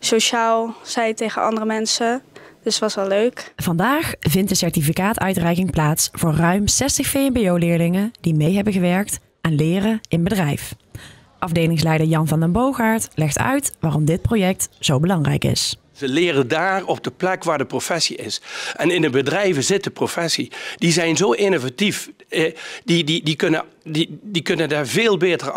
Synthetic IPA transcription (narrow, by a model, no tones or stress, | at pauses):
soʃaːlˠz̥ɛjtejχənʔɑ̰ndərəmɛnsəd̥əstʋɑsʋɛlˠløɥkv̥ɑndaːxvɪntdəsɛɹtifikaːtœɥtrɛjkɪŋplaːtsv̥ʊːɹrœɥmsɛstəxfejɛmbejowlɪːɹlɪŋəd̥imejɦɛbəɣəʋɛɹk̚t | ʔɛnlɪːrəɪnbədrɛjf | ʔɑvdejlɪŋs̬lɛjdəɹjɑnvɑndəmbowɣaːɹtlɛxtʰœ̰ɥtʋaːrɔmdɪt̚prowjɛk̚tz̥owbəlɑŋrɛ̰jkɪ̰s | zəlɪːrəndaːrɔb̚dəplɛkʋaːɹdəprofɛsiɪsʔɛnɪndəbədrɛjvəzɪt̚dəprofɛsid̥izɛjnzowɪnovatif | dididikɵnədidikɵnəndaːɹveːlˠbeːtər